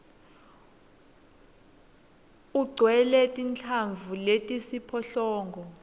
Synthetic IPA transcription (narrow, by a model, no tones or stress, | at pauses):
uɡ͡ǀʱwɛlɛtʼint͡ɬʰaɱvuletʼisipʰɔɬɔːŋɡʱɔ